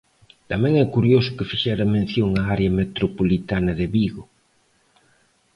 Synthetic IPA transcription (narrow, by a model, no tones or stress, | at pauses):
t̪amẽŋɛkuɾjosʊ̥kefiʃɛɾɐmẽn̟θjoŋaaɾeɐmet̪ɾopolit̪anɐðeβiɣo